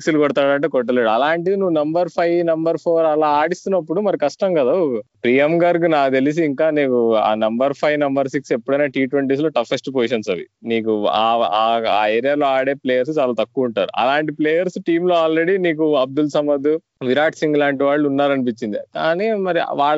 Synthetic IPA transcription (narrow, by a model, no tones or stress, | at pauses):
ksulukɔɽt̪aːɽɐɳʈeːkɔʈ̬ːɐleːɽuɐlaːɳʈ̬id̪inuʋːunɐmbɐɾpʰɐjnɐmbɐɾpʰoːɾɐlaːaːɽist̪unːɐpːuɽumɐɾikɐʂʈɐmkɐd̪ɐpɾijɐmɡɐɾɡnaːt̪elis̬iːŋkaːneːkua̰ːnɐmbɐɾpʰɐjʋnɐmbɐɾsikse̞pːuɽɐjnaːʈiːʈʋeɳʈiːs̬lo̞ːʈɐfʰɐsʈup̬oːiʃɐnsɐʋḭniːkua̰ːaːeːɾijaːloːaːɽeːpleːjɐɾs̬ut͡ʃaːlaːt̪ɐkːuːuɳʈa̰ːɾṵʔɐ̰laːɳʈipleːjɐɾsuʈiːmlo̞ːaːlɾe̞ɽiniːk̬uɐb̚d̪ulsɐmɐd̪u | ʋiɾaːʈsiŋɡlaːɳʈiʋaːɭːuunːaːɾɐnip̬it͡ʃːind̪ikaːnimɐɾḭʋaːɭ